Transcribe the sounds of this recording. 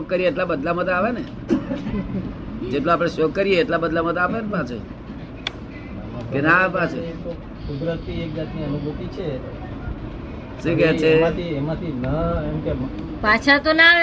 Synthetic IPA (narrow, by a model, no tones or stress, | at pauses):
okːəɾijeːʈlabəd̪lamət̪aːʋene | d͡ʒeʈloapɽ̃eʃokːəɾijeːʈlabəd̪lamət̪aːpenepat͡ʃʰḛ | kenapat͡ʃʰeo | sud̪ɾəɾt̪ʰiek̚d͡ʒat̪nianũbʱukit͡ʃʰe | ʃĩkɛt͡ʃʰeãt̪ʰiemãt̪ʰinəemkem | pat͡ʃʰat̪ona